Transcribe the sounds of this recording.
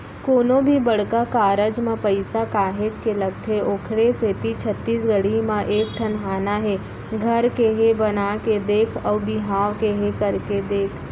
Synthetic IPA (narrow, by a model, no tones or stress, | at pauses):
koːnõbʱibɐɽ̤kakaːɾəd͡ʒmẽpɐɪsakaːɦed͡ʒkelɐɡ̚t̪ʰeʔoːkʰɾeset̪it͡ʃʰət̪ːiːs̬ɡəɽimãʔeːk̚ʈʰənɦaːnaɦɛ | ɡʱɐɾkeɦebɐnaked̪eːkʰɔːɾbɪɦaːwkeɦekɐɾked̪eːkʰ